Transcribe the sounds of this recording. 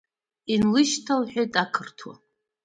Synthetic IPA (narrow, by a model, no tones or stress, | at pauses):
inlɨʃtʰalħʷᶣajtʼakʰɨrtʰwa̰